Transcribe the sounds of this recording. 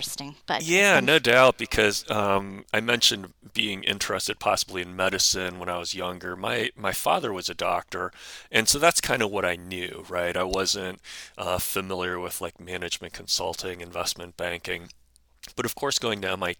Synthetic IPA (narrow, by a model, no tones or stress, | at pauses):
stɪ̃ŋb̥ʌjænoʊdaʊt̚b̥ɨkʰʌzʌ̃maɪmɛ̃nʃɨ̃nb̥iɪ̃ŋʔɪ̰̃nt͡ʃɹ̥ɛstɨd̥̚pʰɑ̰səbliɨ̃nmɛɾɨsɨ̃nwə̃ñaɪwʌzjʌ̃ŋɡə˞maɪmaɪfɑ̰ðə˞wʌzɨdɑ̰k̚tə˞ɨ̃nsoʊðætskʰãɪ̃ndʌvwʌɾaɪnjʉɹaɪɾaɪwʌzɨ̃nt̚ʔʌfɨmɪlˠjə˞wɪð̥laɪk̚mænɨd͡ʒmɨ̃nkʰn̩sʌ̰lˠtʰɪ̃ŋɨ̃ɱvɛsmɨ̃nb̥æ̃ŋkɪ̃ŋ | b̥ʌɾʌv̥kʰɔɹsɡ̥oʊɪ̃ŋðaʊmaɪ